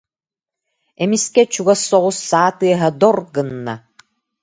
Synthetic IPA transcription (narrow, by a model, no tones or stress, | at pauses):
ɛmiskɛt͡ɕuɡasːɔʁusːaːt̪ɯɐɦɐd̪ɔɾɡɯnːa̰